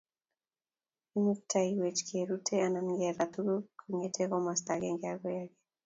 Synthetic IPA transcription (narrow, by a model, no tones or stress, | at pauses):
inuk̚tʰaiwet͡ʃkʰeɾutʰeananŋɡɛɾat̪uɡokʰuŋetʰeɣɔmast̪aɡɛŋɡaɡɔjaɡe